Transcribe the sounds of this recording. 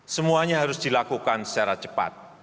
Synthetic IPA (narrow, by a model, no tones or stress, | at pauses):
səmuaɲaɦaɾʊsd̥ilakukansə̥t͡ʃaɾat͡ʃəpa̰t̪̚